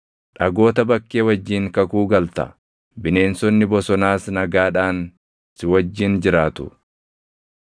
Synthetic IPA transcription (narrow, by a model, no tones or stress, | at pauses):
ᶑɐɡo̞ːt̪ɐbɐkːeːwɐd͡ʒːiːŋkɐkuːɡɐlt̪ɐ̰ | bɪne̞ːnsɔnːɪbɔsɔnaːsnɐɡaːᶑaːn | sɪwɐd͡ʒːɪnd͡ʒɪɾaːt̪ʊ̥̰